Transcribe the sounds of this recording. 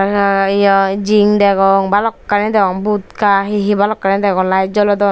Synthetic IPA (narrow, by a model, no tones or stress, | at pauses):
ɔd͡ʒiŋd̪ɛɡɔŋbalɔkːanid̪ɛkɔŋbut̪kaɦiɦibalɔkːanid̪ɛɡɔŋlajd͡ʒɔlɔd̪ɔ